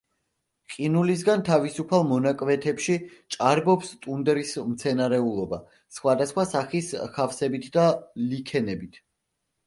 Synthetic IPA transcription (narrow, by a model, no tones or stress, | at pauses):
qʼinulis̬ɡant̪ʰavisupʰalˠmɔnakʼvɛt̪ʰɛpʃit͡ʃʼaɾbɔpst̪ʼund̪ɛɾismt̪sʰɛnaɾɛulˠɔba | sχwad̪asχwasaχiskʰafsɛbit̪ʰd̪alikʰɛnɛbit̪ʰ